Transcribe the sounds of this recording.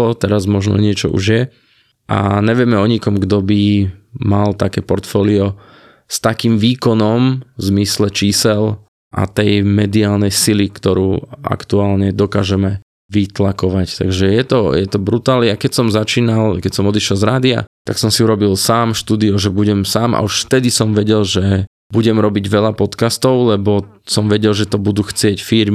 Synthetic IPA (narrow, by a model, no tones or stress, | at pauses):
ɔt̪ɛɾazmɔʒnɔ̰ɲɪɛt͡ʃɔ̰ʔṵʒjɛ | ʔa̰ɲɛʋɪɛmɛɔɲikɔmɡd̪ɔbimalt̪akɛːpɔɾt̪fɔːliɔ | st̪akiːmʋiːkɔnɔmzmislɛt͡ʃiːsɛl | ʔa̰t̪ɛjmɛd̪iaːlnɛjsilikt̪ɔɾuːʔa̰kt̪uaːlɲɛd̪ɔkaːʒɛmɛ | ʋit̪lakɔʋact̪a̰ɡʒɛjɛt̪ɔjɛt̪ɔbɾut̪aːlniakɛcsɔmzat͡ʃiːnalkɛcsɔmɔd̪iʃjɛlˠzɾaːd̪ia̰t̪aksɔmsiuɾɔbilsaːmʃt̪uːd̪iɔʒɛbuɟɛmsaːma̰uʃft̪ɛd̪isɔmʋɛɟɛlʒɛ | buɟɛmɾɔbiɟʋɛʎapɔt̪kast̪ɔʊlɛbɔsɔmʋɛɟɛlʒɛt̪ɔbud̪uxt͡sɪɛcfiɾm